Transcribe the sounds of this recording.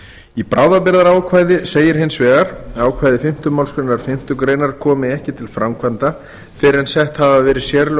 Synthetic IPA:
ipɾaːwðapɪɾðaɾaːwkʰvaːjðɪseːjɪɾ̥ɦɪnsvɛːɣaɾ̥aːwkʰvajðɪfɪm̥t̪ʏmawlskɾejnaɾ̥fɪm̥t̪ʏkɾeːjnaɾ̥kʰɔːmɪɛhcɪt̪ʰɪlfɾamkʰvant̪a | fɪɾɪɾɛnsɛht̪havavɛːɾɪsjɛɾ

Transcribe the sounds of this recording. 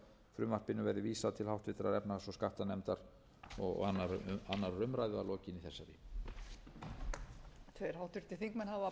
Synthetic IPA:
fɾʏmvar̥pɪnʏvɛɾðɪviːsaðt̪ʰɪlhawht̪vɪ̥t̪ɪɾaðɛpnasɔskaht̪anɛmt̪aɾ | ɔ̰ɣanːaɾanːaɾːʏmɾajðʏalɔːcɪniθɛsːaɾi | t̪ʰvejɾ̥hawht̪vɪɾt̪ɪ̥θiŋkmɛnɦava

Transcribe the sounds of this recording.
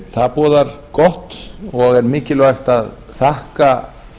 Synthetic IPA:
θaðpɔːðaɾ̥ | kɔht̪ɔɣɛɾmɪːcɪlvaɥxt̪að | θahka

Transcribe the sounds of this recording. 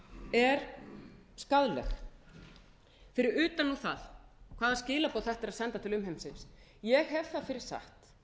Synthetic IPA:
ɛɾ̥ | skaðlɛ̰x | fɪɾɪɾʏːt̪anːuθa̰ðkʰv̥aːðascɪːlapoːwθɛht̪aɾaðsɛnt̪at̪ʰɪlʏmɦejmsɪns | jɛɣɦɛv̥θaðfɪɾɪɾ̥sa̰ht̪

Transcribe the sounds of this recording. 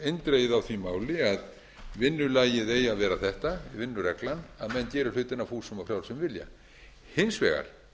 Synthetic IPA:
ejnt̪ɾejɪðawθvimaːwlɪað | vɪnːʏlaːjɪðeːjaðvɛːɾaθɛht̪avɪnːʏɾɛklanaðmɛnt̪jɛːɾʏ̥lʏːt̪ɪnafuːsʏmafɾjaːwlsɛmvɪlja̰ | hɪnsvɛːɣa̰ɾ̥

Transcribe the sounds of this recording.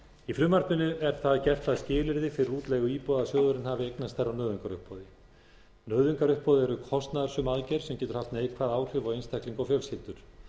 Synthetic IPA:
ifɾʏːmaɾt̪nɪnʏʔɛɾ̥θaðcɛr̥t̪aðscɪːlɪɾðɪfɪɾɪruːt̪lɛɣʏiːpɔðasjœːɣðʏɾɪnhaːvɪejknast̪θɛrːawnœːðʏŋkaɾʏ̰hpɔðɪ | nœːðʏŋkaɾʏhpɔðɪɛɾʏkʰɔst̪naðaɾsʏmaðcɛɾ̥sɛmcɛːt̪ʏɾ̥haft̪nejkʰvaðaːwr̥ʏvaɣejnst̪ʰɛhkliŋkɔfjœlshɪt̪ʏɾ̥

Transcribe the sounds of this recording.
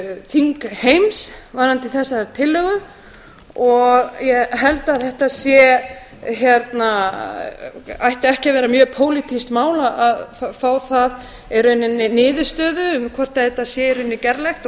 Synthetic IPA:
θiŋkhejmsvaɾant̪iθɛsːat̪ʰɪlːœɣʏ | ɔɣjɛɣɦɛlt̪aðθɛht̪aðsjɛ | çɛɾt̪na | ajht̪ɛhcɪvɛːɾamjœːpʰoːwlit̪ʰist̪maːwlaaðffaːwθað | ɛɾʏɛnːɪnːɪnɪːðʏ̥st̪œːðʏmkʰvɔr̥t̪aθɛht̪ːasjɛɾʏnːɪcɛɾlɛjxt̪

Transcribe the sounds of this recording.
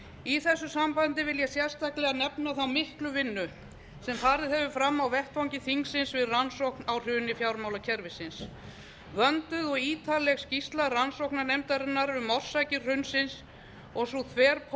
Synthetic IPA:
iθɛsːʏsampant̪ɪvɪljɛsjɛr̥st̪aklɛɣanɛpnaθawmɪhklʏvɪnːʏ | sɛmfaːɾðɪðɛvʏfɾamːawvɛht̪vawɲcɪθiŋksɪnsvɪðransowknawr̥ʏːnɪfjawɾmawlacʰɛɾvɪsɪns | vœnt̪ʏðɔɣiːt̪ʰalɛɣscist̪laransowknanejmt̪aɾɪnːaɾvɪðmɔr̥sajcɪ̥r̥ʏnsɪns | ɔɣsut̪ʰvɛːɾpʰ

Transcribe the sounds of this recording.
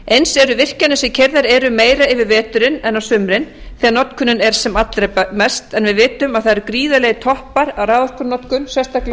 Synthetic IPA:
ejnsɛɾʏvɪr̥canʏsɛmcʰɛɾðaɾɛɾʏmeːjɾaɪvɪɾvɛːt̪ʏɾɪnɛnːawsʏmɾɪnθɛːɣanɔt̪kʰʏnʏnɛɾ̥sɛmat̪lɾamɛst̪ɛnvɪðvɪːt̪ʏmaðθaðɾkɾiːðalejɣt̪ʰɔhpaɾawraːðar̥kʏɾnɔt̪kʏnsɛst̪akl

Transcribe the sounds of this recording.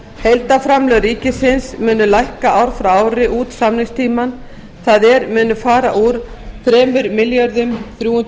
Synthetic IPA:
hejlt̪afɾamlœɣɾiːcɪsɪnsmʏːnʏlajhkaʔawɾ̥fɾawaːwɾɪʔuːt̪samnɪŋst̪ʰiːman | θaðɛɾmʏːnʏfaːɾaʔuɾ | θɾɛːmʏɾmɪljœɾðʏmθɾjuːʏnt̪

